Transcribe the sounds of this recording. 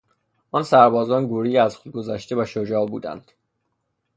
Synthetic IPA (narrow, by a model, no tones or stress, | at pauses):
ʔɒːnsæɾbɒːzɒːnɡuːɾijæzxod̪̚ɡo̞zæʃt̪e̞væʃod͡ʒɒːbṵːd̪æ̰nd̪̥